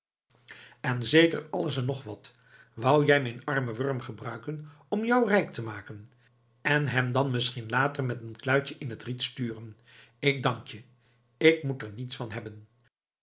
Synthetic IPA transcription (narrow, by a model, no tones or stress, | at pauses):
ɛnzejkə̰ɹɑlˠəsɛnɔχʋɑt | ʋɑwjɛjmɛjnɑɹməʋɔɹmχəbrœɥkən | ɔmjɔwrɛjktəmaːkən | ɛnɦɛmdɑnmɪsχinlaːtərmɛtənklœɥt͡ʃəʔɪnətritstyːrən | ɪɡ̚dɑŋkjə | ɪk̚mutəɹnitsfɑnɦɛbən